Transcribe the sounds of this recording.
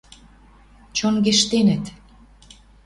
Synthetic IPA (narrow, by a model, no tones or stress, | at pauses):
t͡ɕonɡeʃt̪enə̆t̪